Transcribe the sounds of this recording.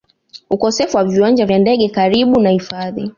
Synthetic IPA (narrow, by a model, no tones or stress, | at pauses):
ukɔsɛfuwaviwand͡ʒavjandɛɠɛkaɾiɓunahifaðḭ